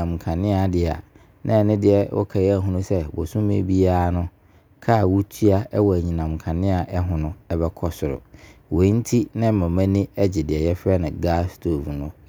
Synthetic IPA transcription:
ã˨m˨kʰã˨nɪ̃˦a˨dɪ˨a̰˨ | nʔã̰˦˨nɪ̃˦dɪ˦ɛ˦wɔ̰˦kʰa˨jɛ˦æ˦ɦʊ̃˦nʊ̃˦sɛ˦bɔ˨sũ˦mḛ˦bi˦aː˦nʊ̃˦ | kʰa˦˨wu˦tʰu˦a˦ɛ˦wɔ˨æ˨ɲĩ˨nã˨m˨kʰã˨nɪ̃˦a˨ʔɛ˦ɦʊ̃˨nʊ̃˦ɛ˦bɛ˦kʰɔ˦sʊ˨ɾʊ̰˨wẽ˨˦n̩˦tʰi˦nɪ̃˦mã˨mã˦nĩ˦ɛ˦d͡ʑɛ˨dɪ˨ɛ˨jɛ˦fɾɛ˦nɪ̃˨ɡa˦stʰo˨vnʊ̃˦

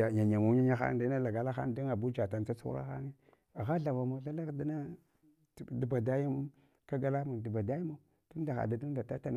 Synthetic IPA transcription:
a˨ɲa˨ɲa˨ma˨˦ɲa˦ɲa˦xa̰˦˨da˦na˦la˨ɡa˨˦la˦xa̰˦n˦du˦ŋa˨bu˦d͡ʒa˨ta˨n˦t͡sa˦t͡sṵ˦ɾa̰˦xa̰˦ni˦ | a˨ɣa˦ɬa˨va˨ma˨˦ɬa˦la˦kda˦na˦˨ | du˨ba˨da˦ji˦m | ka˦ɡa˦˨la˦mu˨du˨ba˨da˦ji˦ma˦ | d̥u˦n˦da˨xa̰˨da˨du˦da˨ta˦ta˦n˨

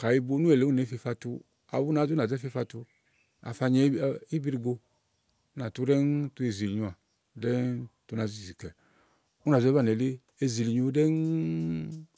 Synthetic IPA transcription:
ka˨i˧bo˧˦nu˦ɛ˨le˨˦u˦nɛ˨˦fe˧fa˧tu˧ | a̰˨wu˦na˨˧˨zu˦na˨zɛ˦fe˧fa˧tu˧ | a̰˨fa˧ɲɛ˧˦˨i˦bi˧ɾi˧ɡo˧˦ | na˨tu˧˦ɾɛ˦ntu˧e˧˨zi˨li˨ɲu˧a˨ | dɛ˦ntu˧na˧˨zi˦˨zi˨kɛ˨ | u˦na˨zɛ˧˦ba˦˨ɛ˨le˦ | e˧zi˨li˨ɲu˧˦dɛ˦n

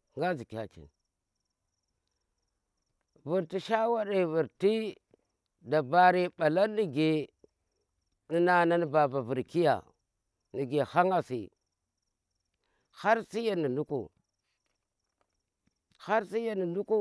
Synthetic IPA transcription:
ŋɡa˦zi˨kʲa̰˨t͡ʃḭ˨n | vu˨ɾti˨ʃa˦wa˦ɗe˨vu˨ɾti˦ | da˨ba˦ɾi˦ɓa˨la˦ni˨ɡe˨ | ni˦na˨na˦n˦ba˨ba˨vu˨ɾki˦ja̰˨ | ni˨ɡe˨ha˦ŋa˦sḭ˨ | ha˦ɾsi˦ja˦˨ni˨nu˦kṵ˨ | ha˦ɾsi˦ja˦ni˨nu˦ku˦

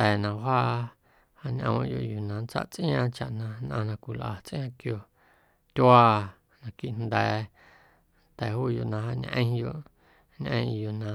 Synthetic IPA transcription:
t̪ɛː˨nã˧ɦaː˦ | ha˧ɲʲʔə̰̃˧jo̰˧˨ʔju˨nã˨nt͡sa̰˦ʔt͡sʔj̃ã˧t͡ʃa˨ʔnã˧nʔã̰˧nã˧kʷi˨lʔa̰˨t͡sʔj̃ã˧kjo˧˨ | t̪ʲaː˦˧ | nã˧ki˧ʔnnd̪ɛː˨ | nt̪ɛ˨ɦuː˦jo˧˨nã˧ɦa˧ɲʔə̃˧˦˧jo˧ʔ | ɲʔə̃˧˦˧jo˧˨ʔnã˧

